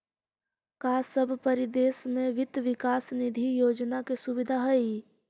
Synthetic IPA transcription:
kaːsəbʱpɐɾɪd̪eːsmẽʋɪt̪ʋɪkaːsnɪd̪ʱijoːd͡ʒnakesʊbɪd̪ʱaɦɛi

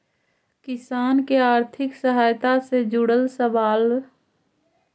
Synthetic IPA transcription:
kɪsaːnkeaːɾt̪ʰɪksəɦaːjt̪ased͡ʒʊɽəlsəʋaːl

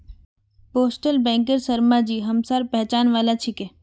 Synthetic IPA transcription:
poːsʈəlbɛ̃ːŋkəɾsɐɾmad͡ʒiːɦɐmsaːɾpɛɦt͡ʃaːnʋaːlat͡ʃʰike

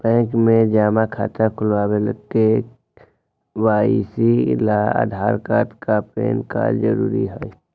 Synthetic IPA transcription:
bɛ̃ːkmẽd͡ʒaːmakʰa̰ːt̪əkʰʊlwaːweləɡke | waːisilaa̰ːd̪ʱaːɾkaːt̪kapɾḛːnka̰ːzəɾṵːɾiɦɛ

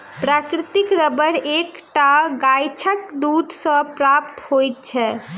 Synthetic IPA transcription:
pɾakɾit̪ikɾəbəɾekʈaɡajt͡ʃʰəkd̪ud̪ʱsə̃pɾapt̪hojt̪̚t͡ʃʰɛ

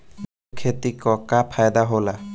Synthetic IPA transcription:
kʰet̪ikɔkapʰajd̪aɦola

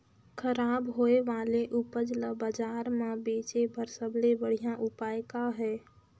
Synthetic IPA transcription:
kʰəɾaːbɦoːeʋaːleʔʊpəd͡ʒləbaːd͡ʒaːɾmãbeːt͡ʃebʱəɾsəblebəɽ̤ijãʔʊpaːjkaɦɛː

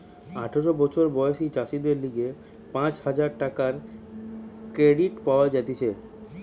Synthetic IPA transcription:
aʈʰeɾobɔt͡ɕʰoɾbɔjoʃid͡ʑaʃid̪eɾliɡe | pãt͡ɕhad͡ʑaɾʈakaɾ | kɾeɖiʈpaoad͡ʑat̪et͡ɕʰe

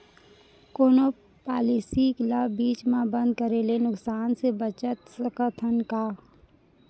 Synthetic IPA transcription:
koːno | paːlisiklabbiːt͡ʃmãbə̃nd̪̚kəɾelenʊksaːnsebət͡ʃət̪sɐkət̪ʰənka

